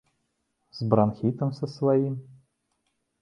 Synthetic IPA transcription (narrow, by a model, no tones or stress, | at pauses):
zbɾanxʲit̪ɐmsɐsvajim